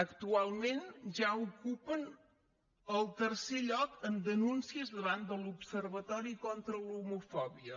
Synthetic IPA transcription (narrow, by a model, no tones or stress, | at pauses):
əkt̪ualˠmenʒaukupən | əlˠt̪ərseʎɔkənd̪ənunsiəzðəβand̪əlupsərβət̪ɔɾikont̪ɾəlumufɔβiə